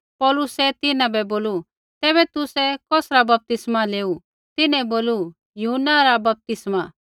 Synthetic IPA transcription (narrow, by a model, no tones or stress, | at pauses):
pɔːlʊsɛt̪ɪnãbɛboːlu | t̪ɛːbɛt̪ʊsɛkɔːsɾabɐp̚t̪ɪsmaleːu | t̪ɪnɛ̃boːlu | jʊɦənːaɾabɐp̚t̪ɪsma